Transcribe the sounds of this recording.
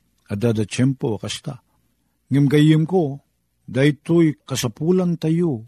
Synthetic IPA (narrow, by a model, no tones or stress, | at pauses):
ad̪ad̪at͡ʃɛmpoakast̪a̰ | ŋɪmɡajɪmko | d̪ajt̪ojkasapulant̪ajo